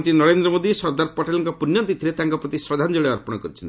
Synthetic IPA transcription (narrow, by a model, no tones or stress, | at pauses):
t̪inɔɾend̪ɾɔmod̪isɔɾd̪aɾpɔʈelɔŋkɔpunjɔnt̪it̪ʰiɾet̪aŋkɔpɾɔt̪iswɔd̪ʱand͡ʒɔɭeɔɾpɔɽ̃ɔkɔɾit͡ʃʰɔnt̪ii